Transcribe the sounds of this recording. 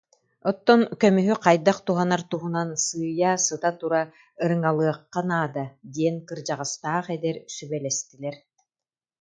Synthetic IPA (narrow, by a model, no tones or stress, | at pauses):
ɔt̪ːɔnkœmyɦyqajd̪aqt̪uɦanaɾt̪uɦunansɯːjaːsɯt̪at̪uɾa | ɯɾɯŋalˠɯɐqːanaːd̪ad̪iɛnkɯɾd͡ʑaʁɯst̪aːχɛd̪ɛɾsybɛlɛst̪ilʲɛɾ